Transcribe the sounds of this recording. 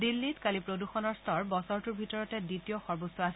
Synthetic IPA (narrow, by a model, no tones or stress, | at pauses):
dilːitkalipɹoduxɔnɔɹstʰɔɹbɔsɔɹtuɹbʱitɔɹɔtɛditijɔxɔɹbosːɔasɛ